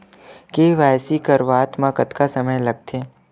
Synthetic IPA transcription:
keʋajsikəɾʋaːt̪mãkət̪kasəməjləɡ̚t̪ʰe

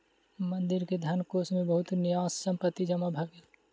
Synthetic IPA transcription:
mə̃nd̪ɪɾked̪ʱankoːsmẽbəɦʊt̪nɪjaːssə̃mpət̪ːid͡ʒəmabʱɐɡel

